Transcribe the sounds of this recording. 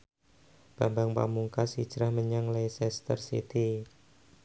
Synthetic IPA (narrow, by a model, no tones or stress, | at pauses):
b̥ambaŋpa̰muŋkasi̥d͡ʒ̥ɾahməɲaŋlajsɛst̪ərsḭt̪i